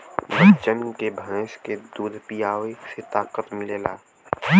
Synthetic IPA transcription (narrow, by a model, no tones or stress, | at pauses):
bət͡ʃənkebʱɐneːsked̪uːd̪pijaːʋeset̪aːkət̪mɪleːlaː